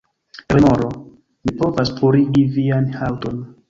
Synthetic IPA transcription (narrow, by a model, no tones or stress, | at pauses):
ɾemoɾo | mipo̞vaspʰuɾiɡivianhawton